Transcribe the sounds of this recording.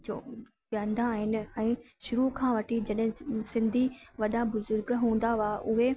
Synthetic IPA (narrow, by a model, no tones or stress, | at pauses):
d͡ʑo̰ː | ʋjãːnd̪ʱãːɦɪnɪ̆ɛ̃ː | ʃʊɾukʰãːʋɐʈʰid͡ʑɐɗɦɪ̃sɪ̃nd̪ʱiʋɐɗabʊzʊɾɡɦũːn̆d̪aaʔʊɦe